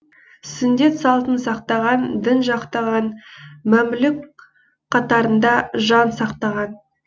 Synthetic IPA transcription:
sʏnd̪e̞t̪sɑlˠt̪ənsɑqt̪ɑʁɑnd̪ɪnʒɑqt̪ɑʁɑnmæmlɪk | qʰɑt̪ɑɾənd̪ɑʒɑnsɑqt̪ɑʁɑn

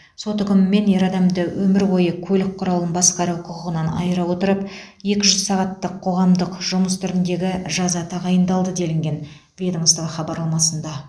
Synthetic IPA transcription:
so̞t̪ʏkʲɪmɪme̞nje̞ɾɑd̪ɑmd̪əwɵmɪɾwo̞jəkʲʰɵlɪk̚qʰːʊɾɑlˠənbɑsqɑɾɑwqʰʊqəʁənɑnɑ̰jəɾɑwo̞t̪əɾəpje̞kʲɪʒʏzsɑʁɑt̪ːəqʰːo̞ʁɑmd̪əqʒ̥ʊməst̪ʰʏɾɪnd̪e̞ɡʲɪʒɑzɑt̪ʰɑʁɑjənd̪ɑlˠd̪əd̪e̞lɪŋɡʲe̞n | vʲed̪əŋsd̪əʁəχɑbɑɾlˠɑmɑsənd̪ɑ

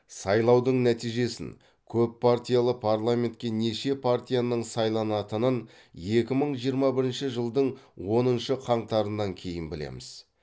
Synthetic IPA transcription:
sɑjlˠɑwd̪əɴnæt̪ijʒe̞sɪ̰n | kʲʰɵpʰːart̪ʲijalˠəpʰarlˠamʲe̞nt̪̚kʲe̞ne̞ʃe̞pʰart̪ʲijanəɴsɑjlˠɑnɑt̪ənən | je̞kʲɪməɴʒijəɾmɑbɪɾɪnʃɪʒəlˠd̪əɴwo̞nənʃəqʰɑɴt̪ɑɾənːɑŋkʲʰe̞jɪnbɪlḛmɪz

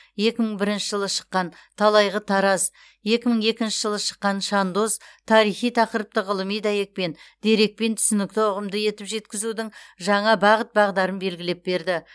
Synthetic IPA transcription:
je̞kʲɪməɴbɪɾɪnʃɪʒəlˠəʃə̥qːɑnt̪ʰɑlˠɑjʁət̪ʰɑɾɑz | je̞kʲɪməɴe̞kʲɪnʃɪʒəlˠəʃə̥qːɑnʃɑnd̪o̞zt̪ʰɑɾijχijt̪ʰɑqəɾəp̚t̪əʁəlˠəmijd̪ɑje̞k̚pe̞nd̪̥e̞ɾe̞k̚pe̞nt̪ʰʏ̥sɪnɪk̚t̪ɪʊʁəmd̪əje̞t̪ɪpʒe̞t̪kʲɪzud̪ɪŋʒɑɴɑbɑʁət̪̚bɑʁd̪ɑɾənbe̞lɡʲɪle̞p̚be̞ɾd̪ɪ

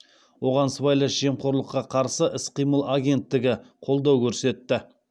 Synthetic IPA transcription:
wo̞ʁɑnsvɑjlˠəʒ̥e̞mqʰo̞ɾlˠəqːɑqʰɑɾsəʔɪsqijməlˠaɡʲe̞nt̪ːɪɡʲɪqʰo̞lˠd̪ɑwkʲʰɵɾse̞t̪ːɪ

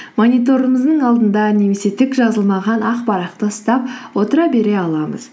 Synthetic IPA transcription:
monʲijt̪o̞ɾəməzd̪əɴɑlˠd̪ənd̪ɑne̞me̞se̞t̪ʰɪkʒɑzəlˠmɑʁɑnʔɑqbɑɾɑq̚t̪əəst̪ɑp̚wo̞t̪əɾɑbe̞ɾe̞ɑlˠɑmə̰z̥

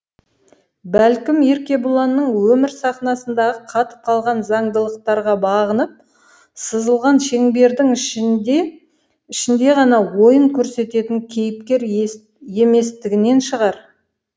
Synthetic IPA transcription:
bælkʲɪme̞ɾkʲe̞bʊlˠɑnːəɴwɵmɪɾsɑχnɑsənd̪ɑʁəqʰɑt̪ə̥p̚qʰɑlˠʁɑnzɑɴd̪əlˠəq̚t̪ɑɾʁɑbɑʁənəp̚ | səzəlˠʁɑnʃe̞ŋbe̞ɾd̪ɪŋʃ | ɪʃɪnd̪e̞ʁɑnɑwo̞jəɴkʲʰɵɾse̞t̪e̞t̪ɪŋkʲʰe̞jɪp̚kʲe̞ɾ | je̞me̞st̪ɪɡʲɪne̞nʃəʁɑɾ

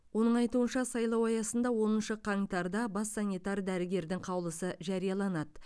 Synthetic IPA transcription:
wo̞nəɴɑjt̪uənʃɑsɑjlˠɑwɑjɑsənd̪ɑwo̞nənʃəqʰɑŋt̪ɑɾd̪ɑbɑsːɑnʲijt̪ɑɾd̪æɾɪɡʲe̞ɾd̪ɪŋqʰɑwlˠəsəʒɑɾijɑlˠɑnɑd̪ə

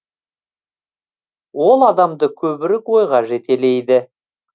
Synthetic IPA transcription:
wo̞lˠɑd̪ɑmd̪əkʲʰɵbɪɾɪkwo̞jʁɑʒe̞t̪e̞le̞jd̪ɪ

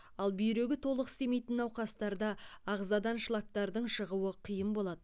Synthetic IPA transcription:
ɑlˠbʏjɾe̞ɡʲɪt̪ʰo̞lˠəqɪ̥st̪e̞me̞jt̪ɪnɑwqɑst̪ɑɾd̪ɑːʁzɑd̪ɑnʃlˠɑk̚t̪ɑɾd̪əɴʃəʁuwəqʰijəmbo̞lˠɑd̪ə

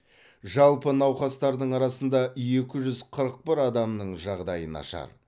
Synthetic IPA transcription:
ʒɑlˠpənɑwχɑst̪ɑɾd̪əɴɑɾɑsənd̪ɑje̞kʲɪʒʏzqʰəɾəq̚pɪɾɑd̪ɑmnəɴʒɑʁd̪ɑjənɑ̰ʃɑ̰ɾ

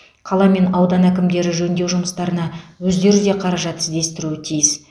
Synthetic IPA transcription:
qʰɑlˠɑme̞nɑwd̪ɑnækʲɪmd̪e̞ɾɪʒɵnd̪e̞wʒʊməst̪ɑɾənɑwɵzd̪e̞ɾɪd̪e̞qʰɑɾɑʒɑt̪ɪzd̪e̞st̪ɪɾuɪt̪ʰijɪs

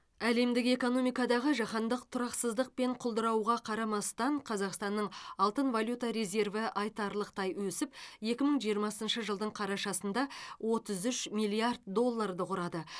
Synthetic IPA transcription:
æle̞md̪ɪke̞ko̞no̞mijkɑd̪ɑʁəʒɑχɑnd̪əq̚t̪ʰʊɾɑqsəzd̪əq̚pe̞ɴqʰʊlˠd̪əɾɑwʁɑqʰɑɾɑmɑst̪ɑɴqʰɑzɑqst̪ɑnːəɴɑlˠt̪ənvalʲjut̪aɾe̞ze̞rvɪʔɑjt̪ɑɾlˠəqt̪ɑjwɵsɪpje̞kʲɪməɴʒijəɾmɑsənʃəʒəlˠd̪əɴqʰɑɾɑʃɑsənd̪ɑwʔo̞t̪əzʏʃmijlʲˠiard̪̚d̪o̞lˠːaɾd̪əqʊɾɑd̪ə

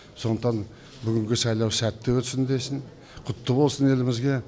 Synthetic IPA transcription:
so̞nət̪ʰɑn | bʏɡʲɪŋɡʲɪsɑjlˠɑwsæt̪ːɪwɵt̪sɪnd̪e̞sɪn | qʰʊt̪ːəbo̞lˠsəne̞lɪmɪzɡʲe̞

